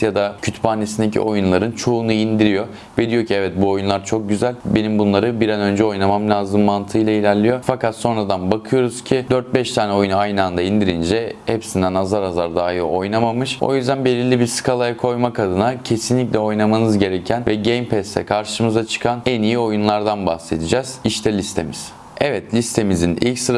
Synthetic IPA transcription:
jad̪acʰyt̪ʰbaːnːesind̪ecʰḭojunlˠaɾɯnt͡ʃʰo̞unuind̪iɾijo̞ | bed̪ijo̞cʰiɛvɛt̪̚buo̞junlˠaɾt͡ʃʰo̞k̚ɟyzælʲbe̞nimbunlˠaɾɯbiɾanø̞nd͡ʒɛo̞jnamamlʲaːzɯmːant̪ʰɯjlˠailʲæɾlʲijo̞fakat̪so̞nɾad̪anbakʰɯjo̞ɾuz̥cʰid̪øɾt̪̚bɛʃt̪ʰaːnɛojunajnɯand̪aind̪iɾind͡ʒɛhɛpsind̪ænazaɾazaɾd̪aːjiɾo̞jnamamɯʃo̞̰jyzd̪ænbelʲilʲibiɾsɯ̥kʰalˠajakʰo̞jmakad̪ɯnacʰe̞sinlʲic̬lʲɛo̞jnamanɯzɟe̞ɾɛcʰænvɛɟejmpʰɛst̪ʰɛ̰kʰaɾʃɯmɯzat͡ʃʰɯ̥kʰanɛnijio̞junlˠaɾd̪anbahse̞d̪ʰid͡ʒɛz̥iʃt̪ʰɛlʲist̪ʰe̞miz̥ | ɛvɛt̪lʲist̪ʰe̞mizinḭlʲcsɯɾa

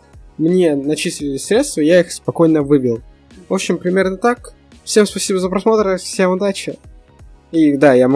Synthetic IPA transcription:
mnʲe̞nɐt͡ɕisʲlʲɪlʲɪsʲɾʲe̞t̪st̪vəjaixspɐko̞jnəvɨbʲɪlˠ | voɕɪmpɾʲɪmʲe̞rnət̪ak | fsʲe̞mspɐsʲibəzəpɾɐsmo̞t̪ɾəfsʲemʊd̪at͡ɕɪ | id̪ajam

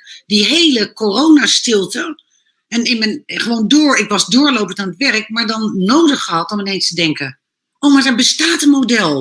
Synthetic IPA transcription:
diɦejləkorownaːstɪlˠtə | ɛnɪnmənχəʋowndʊːɹɪkʋɑzdʊːɹlowpəntaːnətʋɛɹək̚maːɹdɑnːowdəχəɦɑtɔmɪnejnstədɛŋkə | owmaɹdɛɹbəstaːtənmowdɛlˠ

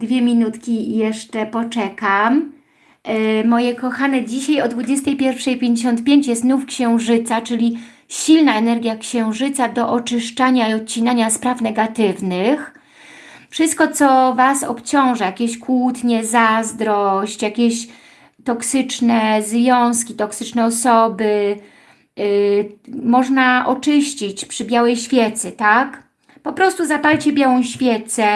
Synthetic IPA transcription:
d̪vʲjɛmʲinut̪kʲijɛʂt͡ʂɛpɔt͡ʂɛkam | mɔjɛkɔxanɛd͡ʑiɕajɔd̪vud͡ʑɛst̪ɛjpʲjɛɾfʂɛjpʲjeɲd͡ʑeɕ̬ɔnt̪̚pʲjeɲt͡ɕjɛst̪nufkɕɛ̃w̃ʐɘt̪sat͡ʂɘlʲi | ɕilnaɛnɛɾɡʲjakɕɛ̃w̃ʐɘt̪sad̪ɔʔɔt͡ʂɘʂt͡ʂaɲaiɔt̪̚t͡ɕinaɲaspɾafnɛɡat̪ɘvnɘx | fʂɘst̪̚kɔt̪sɔvasɔpt͡ɕɔ̃w̃ʐɛjakʲeɕkwut̪ɲɛzazd̪ɾɔɕt͡ɕjakʲɛɕ | t̪ɔksɘt͡ʂnɛzvʲjɔ̃w̃skʲit̪ɔksɘt͡ʂnɛɔsɔbɘ | mɔʐnaʔɔt͡ʂɘɕt͡ɕit͡ɕpʂɘbʲjawɛjɕfʲjɛt̪sɘt̪ak | pɔpɾɔst̪uzapalt͡ɕɛbʲjawɔ̃w̃ɕfʲjɛt̪sɛ

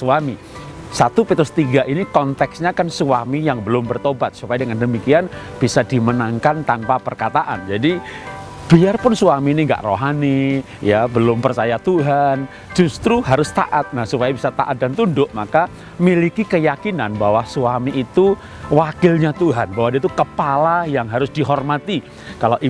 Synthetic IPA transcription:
suami | sat̪upet̪ɾʊst̪iɡaʔinikɔnt̪ɛksɲakansuamijaŋbəlʊmbərt̪obat̪̚supajadəŋandəmikian | b̥isadimənaŋkant̪anpapərkat̪aʔa̰nd͡ʒadi | b̥iarpʊnsuamiːniŋɡa̰ʔroɦani | jabəlʊmpərt͡ʃajat̪uɦan | d͡ʒust̪ɾuɦaɾʊst̪a̰ʔat̪̚nahsupajabisat̪a̰ʔat̪̚dant̪undʊʔmaka | milikikəjakinanbawasuamiʔːt̪u | wakɪlɲat̪uɦanbawadiait̪ukəpalajaŋɦaɾʊsdiɦɔrmat̪i | kalaʔi

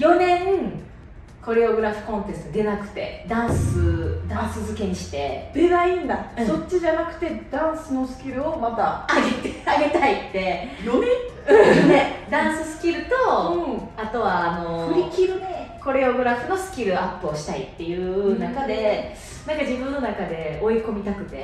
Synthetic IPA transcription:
jo̞nẽ̞ŋ | ko̞ɾe̞oɡɯ̟ɾaɸɯ̟̥kõ̞nt̪est̪d̪e̞nakɯ̟̥t̪e̞̰d̪ãɰ̃sɨd̪ãsɨzɨke̞ɲ̟iɕi̥t̪e̞d̪enaĩnd̪asso̞t͡ɕːiʑanakɯ̟̥t̪e̞d̪̥ãɰ̃sɨno̞sɨ̥kʲiɾɯ̟o̞mat̪aːɡet̪eaɡe̞t̪ait̪ːe̞ | ned̪ãɰ̃sɨsɨ̥kʲiɾɯ̟t̪õ̞ | at̪o̞βaːno̞ɸɯmʲikʲiɾɯko̞ɾe̞o̞ɡɯ̟ɾaɸɯ̟no̞sɨ̥kʲiɾɯ̟apːɯ̟oɕi̥t̪ait̪ːe̞jɯ̟ːnakad̪e̞ | nãŋkad͡ʑibɯ̟̃nːo̞nakad̪e̞o̞iko̞mʲit̪akɯ̟t̪e̞

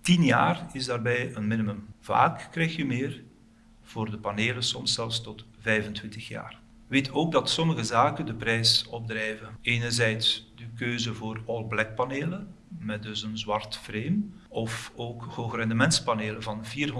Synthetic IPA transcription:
tinjaːrɪzdaːrbɛjənmɪnəmɵmv̥a̰ːkːrɛjxəmeːr | v̥oːrdəpaneːləsɔmsɛlˠfstɔtvɛjvəntwɪntəxja̰ːr | ʋeːtʰoːɡ̚dɑtsɔməɣəzaːkəndəprɛjsɔb̚drɛjvəeːnərzɛjtsdəkøːzəvoːrɔlˠblɛk̚pɑneːlə | mɛt̚dɵsənzwɑrtfreːmɔfoːkhoːxrɛndəmɛntspaneːləvɑnviːrɦɔ

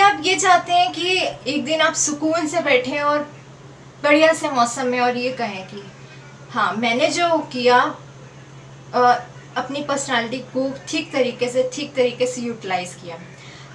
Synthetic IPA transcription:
aːpjed͡ʒaːt̪eɦɛ̃kieːk̚d̪ɪnaːpsʊkuːlsebɛːʈʰẽɔːɾ | bɐɽijasemɔːsə̃mːẽɔːɾjekɐɦẽki | hãːmɛ̃ːned͡ʒoːkija | ɐpnipəɾsnaːlɪʈ̬ikɡuːpʈʰiːk̚t̪ɐɾiːkeseʈʰiːk̚t̪ɐɾiːkesejuːʈɪlaːɪzkijaː

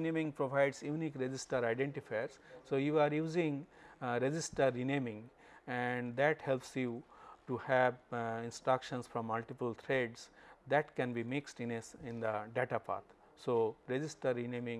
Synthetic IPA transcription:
inẽːmĩŋpɾoʋaɪɖsjuːnikɾed͡ʒɪsʈəɾaɪɖẽɳʈifaɪɾssoːjuːaːɾjuːzĩŋɾed͡ʒɪsʈəɾːinẽːmĩŋ | ɛɳɖd̪æʈhelpsjuʈuhæʋɪ̃nsʈɾakʃə̃nsfɾɔ̃mːʌlʈipəlt̪ʰɾeɖsd̪æʈkɛ̃nbimɪksʈĩnesɪ̃nd̪əɖeːʈapa̰ːɾt̪ʰ | soːɾed͡ʒɪsʈəɾːinẽːmĩŋ

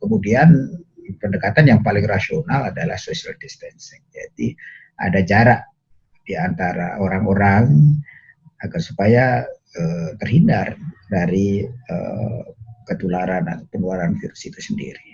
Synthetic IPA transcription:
kəmudian | pəndəkat̪anjaŋpalɪŋrasionaladala̰hsosialdist̪ɛnsɪŋd͡ʒa̰di | ʔa̰dad͡ʒaɾaʔ | diant̪aɾa̰oɾaŋoɾaŋ | akansupaja | ət̪ərɦindardaɾiə̰ | kət̪ulaɾana̰t̪opənulaɾanfiɾusit̪usəndḭɾi

